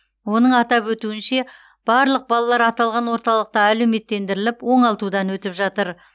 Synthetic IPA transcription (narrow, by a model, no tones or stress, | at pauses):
wo̞nəɴɑt̪ɑpwɵt̪uɪnʃe̞ | b̥ɑɾlˠəq̚bɑlˠɑlˠɑɾɑt̪ɑlˠʁɑnwo̞ɾt̪ɑlˠəq̚t̪ɑælewme̞t̪ːe̞nd̪ɪɾɪlɪpwo̞ɴɑlˠt̪ud̪ɑnwɵt̪ɪpʒɑt̪əɾ